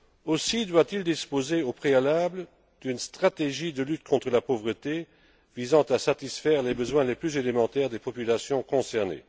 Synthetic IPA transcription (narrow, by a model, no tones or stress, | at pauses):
osid̪wat̪ild̪ispozeopχealablə | d̪ynst̪χat̪eʒid̪əlyt̪kʰɔ̃t̪χəlapovʁət̪e | vizɑ̃t̪asat̪isfɛːʁlebəzwɛ̃leplyzelemɑ̃t̪ɛʁd̪epɔpylasjɔ̃kɔ̃sɛʁnḛ